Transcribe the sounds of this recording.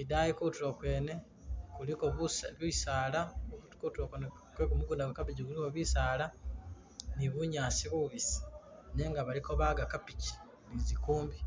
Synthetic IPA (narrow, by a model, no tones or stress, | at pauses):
idajikutuɾokweːne̞ | kulikoβusβuisaːla | kutuɾokwene | kwekomuɡuːndaɡekapicikulikoβisaːla | niβuɲaːsiβuβisi̥ | ne̞ŋɡaβaliko̞βaːɡakapici̥ | nizikuːmbi